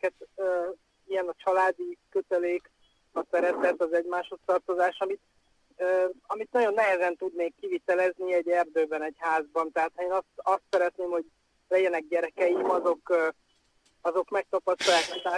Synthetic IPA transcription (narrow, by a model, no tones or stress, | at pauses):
kɛt̪ø | ijɛnɒt͡ʃɒlaːd̪ikø̞t̪ɛleːk | ɒsɛɾɛt̪ɛt̪ɒzɛɟmaːʃhost̪ɒrt̪o̞zaːʃɒmit̪ | øɒmit̪nɒɟo̞nːɛɦɛzɛnt̪ud̪neːkːivit̪ɛlɛzniɛɟɛrd̪øːbɛnɛɟhaːzbɒnt̪ɛɦaːt̪hɒeːnɒst̪ɒst̪sɛɾɛt̪neːmho̞ɟ | lɛɟɛnɛɡ̚ɟɛɾɛkɛjimɒzo̞k | ɒzo̞kmɛk̚t̪ɒpɒst̪ɒjaːkɒt̪aː